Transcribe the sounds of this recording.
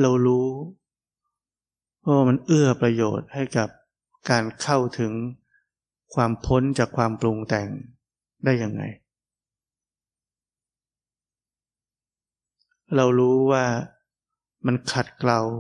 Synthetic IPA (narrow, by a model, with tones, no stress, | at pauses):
ɾa˧wɾuː˦˥ | pʰɔ˦˥˦waː˥˩ma˧nʔɯ˥˩ɐpɾa˧joː˨˩t̪̚ha˥˩jka˨˩p̚ | kaː˧nkʰa˥˩wt̪ʰɯ˩˦ŋ | kʰwaː˧mpʰo˦˥nt͡ɕaː˨˩kʰwaː˧mplu˧ŋt̪ɛ˨˩ŋ | daː˥˩jːa˧ŋːa̰˧j | ɾa˧wɾuː˦˥waː˥˩ | ma˧nkʰa˨˩t̪̚kla˧w